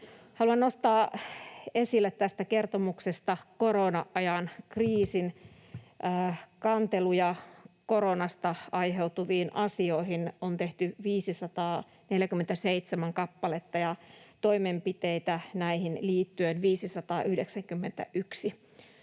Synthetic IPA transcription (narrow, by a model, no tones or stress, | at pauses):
hɑluɑnnost̪ɑː | esilːet̪tæst̪ækert̪omuksest̪ɑkoɾonɑʔɑjɑnkriːsin | ʔːkɑnt̪elujɑkoɾonɑst̪ɑɑjɦe̞wt̪uʋiːnʔɑsioihinont̪eht̪yʋiːsisɑt̪ɑː | neljækymːent̪æseit̪semæŋkɑpːɑlet̪ːɑjɑt̪o̞imempit̪eit̪ænæihinliːt̪ːyenʋiːsisɑt̪ɑːʔyhdeksæŋkymːent̪æ̰ʔyksi